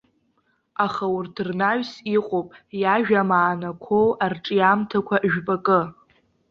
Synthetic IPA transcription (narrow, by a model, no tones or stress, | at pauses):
aχaʊrtʰrnaɥsiqʼopʼjaʒᶣamaːnakʷʰowʔarʈ͡ʂʼjamtʰakʷʰaʔʒᶣbʼakʼɨ